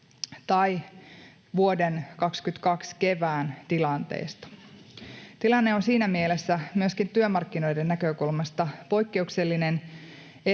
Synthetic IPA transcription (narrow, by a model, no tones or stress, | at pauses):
t̪ɑj | ʋuo̞denkɑkskyt̪kɑkske̞ʋæːnt̪ilɑnt̪ḛːst̪ɑ̥ | t̪ilɑnːe̞onsiːnæmielesːæmyøskint̪yømɑrkːino̞jdenːækøkulmɑst̪ɑpo̞jkːe̞ukse̞lːine̞n | e